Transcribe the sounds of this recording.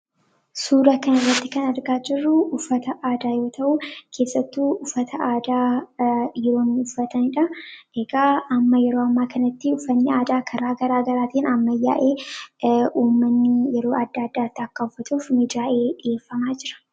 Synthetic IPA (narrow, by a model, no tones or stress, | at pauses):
suːɾɐkɐnɐrːɐt̪ːɪkɐnɐɾɡaːd͡ʒɪrːʊːfːɐt̪ɐʔaːd̪aːjo̞ːt̪ɐʔuːkʰe̞ːsːɐt̪ːuːʊfːɐt̪ʰɐʔaːd̪aː | jɛɾo̞ːnːɪʊfːɐt̪ɐnɪᶑɐ | ɛɡaːɐmːɐjɛɾoːɐmːaːkɐnɐt̪ːɪʊfːɐnːɪaːd̪aːkʰɐɾaːɡɐɾaːɡɐɾaːt̪iːnɐmːɐja̰ːʔe̞ː | uːmːɐnːɪjɛɾo̞ːɐd̪ːaːɐd̪ːaːt̪ːɪɐkːɐʊfːɐt̪ʼuːfmid̪ɾaːʔe̞ːᶑɪʔeːfːɐmaːd͡ʒɪɾɐ̥